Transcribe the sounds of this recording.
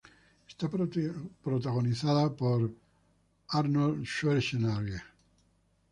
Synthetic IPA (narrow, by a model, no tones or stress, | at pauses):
est̪apɾot̪aɣoniθaðapoɾ | aɾnolʃeɾʃenaɾe